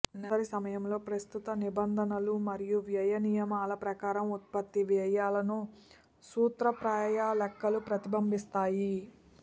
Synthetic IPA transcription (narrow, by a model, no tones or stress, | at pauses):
nɐɾisɐmɐjɐmlo̞ːpɾɐst̪ut̪ɐnibɐnd̪ʱɐnɐlumɐɾijuʋjɐjɐnijɐmaːlɐpɾɐkaːɾɐmut̪̚pɐt̪ːiʋjɐjaːlɐnu | suːt̪ɾɐpɾaːjaːlɛkːɐlupɾɐt̪ibɐmbʱist̪aːji